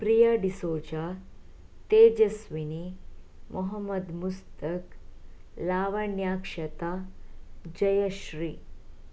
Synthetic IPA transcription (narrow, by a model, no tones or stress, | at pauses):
pɾijaɖisot͡ɕa | t̪ed͡ʑɐsʋini | mʔoɦəmːəd̪must̪ək | laːʋɐɳjakʂɐt̪a | d͡ʑɐjəɕɾiː